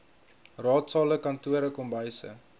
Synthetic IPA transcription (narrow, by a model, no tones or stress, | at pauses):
rɑːtsɑːləkɐntuəɾəkɔmbəjsə̰